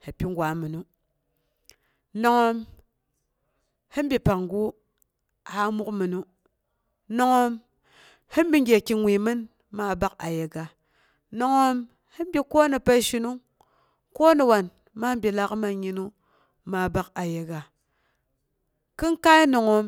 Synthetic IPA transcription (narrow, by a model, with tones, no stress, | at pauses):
ha˨pʲi˦ŋɡʷa˨˦mɨ˨nu˦ | no˨ŋo˦m | hɨ˦m˦bi˨pa˨ŋɡu˦ | ha˨˦mu˦kmɨ˨nu˦ | no˨ŋo˦m | hi˦m˦bi˦ŋ˦ɡʲe˨ki˨ŋʷi˨mɨ˦n | ma˨ba˦ka˨je˨ɡa˨ | no˨ŋo˦m | hi˦m˦bʲi˦ko˦nɨ˨pa˦ʃi˦nu˦ŋ | ko˦nɨ˨wa˨n | ma˦m˦bʲi˨la˦kma˨ɲi˦nu˦ | ma˨ba˦ka˨je˨ɡa˨ | kɨ˦ŋka˦i˦no˨ŋo˨m